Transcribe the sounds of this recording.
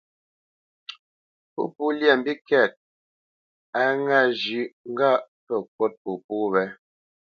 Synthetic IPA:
po̰˦pu˦ljɛ˨m˨bi˦kɛ˦˨t̚ | a˦ŋa˦˨d͡ʒʉ˨˦ŋ̩˦ɡa˦˨ | pə˨kwɔ˦t̚po˨pu˦βɛ˦

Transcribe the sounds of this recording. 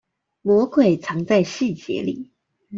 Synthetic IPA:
mwɔ˧˥kʰwe˨˩ɪt͡sʰɑ˧˥ŋt͡sa˥˧ɪɕi˥˩t͡ɕjɛ̰˧˦lḭ˨˩˦

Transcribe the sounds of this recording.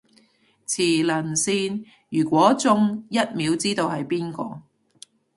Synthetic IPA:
t͡sʰiː˨˩lɐ˨˩nsiː˧n | jyː˨˩kʷɔː˨˥t͡sʊ˥ŋjɐ˥t̚miː˨˧˥wt͡siː˥t̪o˧whɐ˨jpiː˥nkɔ̰ː˧

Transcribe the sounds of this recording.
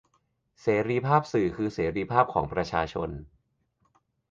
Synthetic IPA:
seː˩˦ɾiː˧pʰaː˥˩p̚sɯː˨˩kʰɯː˧seː˩˦ɾiː˧pʰaː˥˩p̚kʰɔ̰ː˩˦ŋpɾa˧t͡ɕʰaː˧t͡ɕʰo˧n

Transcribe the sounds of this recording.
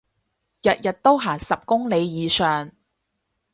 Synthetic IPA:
jɐ˨t̚jɐ˨t̚t̪o˥wɦaː˨˩ŋsɐ˨p̚kʊ˥ŋle˨˧jjiː˨˧sœː˨ŋ

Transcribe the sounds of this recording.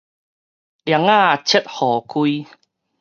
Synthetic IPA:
lja˨˧˦ŋa˥˧˨t͡ɕʰe˦˥t̪̚hɔː˨˩kʰu˧i˦˧

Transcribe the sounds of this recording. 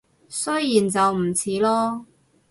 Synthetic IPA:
sɵ˥jjiː˨˩nt͡sɐ˨wm̩˨˩t͡sʰiː˨˥lɔː˥

